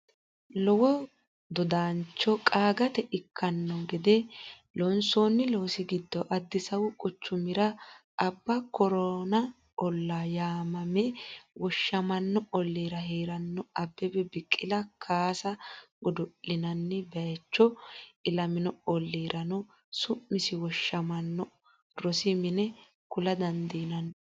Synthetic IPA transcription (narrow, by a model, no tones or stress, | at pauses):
lɔwɔ | d̪ɔd̪aːnt͡ʃːɔkʼaːɡɐt̪ɛʔɪkʰːɐnːɔɡɪd̪ɛ | lɔnsoːnːɪloːsɪɡɪd̪ːɔʔɐd̪ːɪsɐwʊkʼʊt͡ʃːʊmɪɾɐʔɐbːɐkɔɾɔnɐ | ɔlːajaːmɐmɛwɔʃːɐmɐnːɔɔlːiːɾɐɦeːɾɐnːɔɐbːɛbɛbɪkʼːɪlɐkʰaːsɐɡɔd̪ʊʔɪnɐnːɛbɛt͡ʃːɔɪlɐmɪnɔɔlːiːɾʔɐnɔ | sʊmːɪsɪwɔʃːɐmɐnːɔ | ɾɔsɪmɪnɛ | kʊlɐd̪ɐnd̪iːnɐn